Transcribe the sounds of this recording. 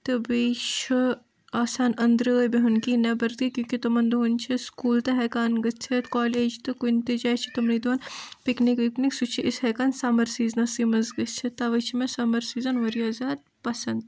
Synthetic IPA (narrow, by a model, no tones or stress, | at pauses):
t̪ɨbiːt͡ʃʰi | aːsaːnɐnd̪ɾəbeɦunkinɐbɐɾt̪ikʲjũːkit̪ɐmɐnd̪uɦunt͡ʃʰiskuːlt̪ɐɦɛkaːnɡɐst͡ʃʰet̪kaːleːd͡ʒt̪ɨkunʲt̪id͡ʒaːt͡ʃʰi̥t̪ɐmɾid̪oːnpiknikʋikniksut͡ʃʰiʔɪshɛːkaːnsaːmɐɾsiːznɐsimɐzɡɐst͡ʃʰit̪ɐʋɐt͡ʃʰimẽsamɐɾsiːzɐnʋɐɾijaːzaːd̪̚ | pɐsɐnd̪